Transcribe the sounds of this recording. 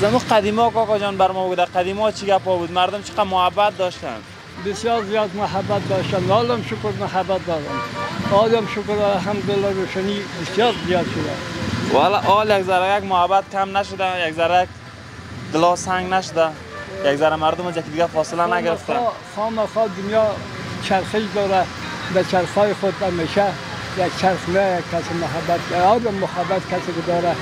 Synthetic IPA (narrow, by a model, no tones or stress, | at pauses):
zamuqad̪imɔkɔkɔd͡ʒɔnbaɾmɔbud̪aqad̪imɒt͡ʃʰiɡapɔbuːd̪maɾd̪ʊmt͡ʃʰi̥qamʊhabːat̪̚d̪ɔʃt̪a̰n | bɪsjɔːɾzijɔd̪maɦabːat̪̚d̪ɔʃt̪anɔlamʃʊkʊɾmaɦabːat̪̚d̪ɔd̪a̰nɔlɔmʃʊkɾd̪ɔd̪aɦamɡ̪olaɾoʃanibɪsjɔːɾzijɔːd̪ʃʊd̪a̰walaʔɔljakzaɾajakmʊhabat̪̚kʰamnaʃʊd̪ajakzaɾajak̚ | d̪ɪlɒsaŋɡnaʃʊd̪a | jakzaɾamaɾd̪ʊmasjakd̪ɪɡafɒːsɪlanaɡɪɾɪft̪aχɔmaxɔːd̪ʊnjɔ | t͡ʃʰaɾxɪʃd̪ɔɾad̪at͡ʃʰaɾxɔːjixʊd̪ameʃa | jakt͡ʃʰaɾχnajak̚kʰasɪmʊɦabːat̪ɡɔd̪ɔmːʊhabat̪kʰasekɪd̪ɔːɾa